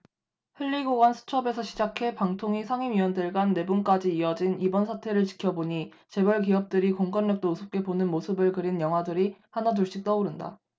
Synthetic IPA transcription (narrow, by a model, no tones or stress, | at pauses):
hɯʎːiɡoɡansʰu̥t͡ɕʰʌbe̞sʰʌɕʰid͡ʑakʰe̞paŋtʰoŋisʰaŋimiwʌndɯɭɡwanːe̞bunk͈ad͡ʑiːʌd͡ʑinibʌnsʰatʰe̞ɾɯɭt͡ɕi̥kʰjʌboɲi | t͡ɕe̞bʌɭk̬iʌp̚t͈ɯɾikoŋkʌnːʌk̚t͈ousʰop̚k͈e̞bonɯnmosʰɯbɯɭkɯɾinjʌŋɦwadɯɾihanat̬uɭɕ͈ik̚t͈ʌuɾɯnda̰